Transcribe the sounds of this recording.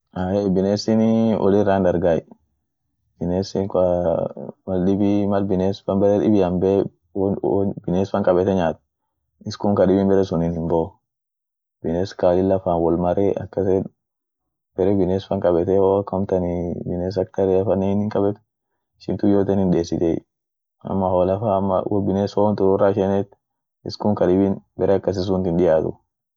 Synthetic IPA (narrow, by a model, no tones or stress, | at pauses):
aːebɪneːsɪnɪʔɔ̰lɪrːaːnd̪ɐɾɡaːj | b̥ɪneːsɪk | mɐlɗɪbɪmɐlbɪneːsfɐmbɐɾɛᶑɪbɪjɐmbɛ | bɪneːsfɐŋkʼɐbɛt̪ɛɲaːt̪ | ɪskʊŋkɐɗɪbɪmbɛɾɛsʊnɪnhɪmbo | b̥ɪneːskalɪlːɐfaːnwɔlmɐɾeɐ̰kːɐse | b̥ɛɾɛbɪneːsfɐŋkʼɐbɛt̪ɛhoːɐkːɐʊmt̪ɐnibɪneːs̬ɐk̚t̪ɐɾɛɐfɐnːehɪnhɪŋkʼɐbɛt̪ | ɪʃɪ̰nt̪ʊjoːt̪ɛːnhɪnde̞ːsɪt̪ḛ | ɐ̰mːɐholɐfamːɐ̰wɔbɪneːsowɐnt̪ʊɾɔrːaːʃɛnɛt̪ | ɪskʊŋkɐᶑɪbɪnbɛɾʔɛɐkːɐs̬ɪs̬ʊnt̪ɪnɗɪjaːt̪ʊ̰